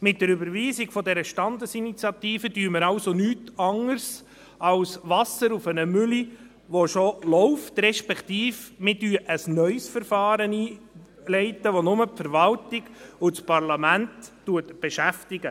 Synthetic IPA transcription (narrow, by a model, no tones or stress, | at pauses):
mɪt̚d̥əɾybəɾviːsɪɡ̥fɔdɛɾəʃtɑnd̪əsinit͡sjɑt̪iːfədyːməɾɑʊsonyːtɑŋəɾs | ɑlsʋɑsəɾufənəmʏli | ʋoʃolɔʊftɾɛʃpɛkt̪iːfmɪdyːʔəsnœʏsfəɾfɑːɾəniː | lɛɪt̪əʋonʊməpfəɾʋɑltɪɡʊt͡spɑrlɑmæntː | uətb̥eʃæftɪɡə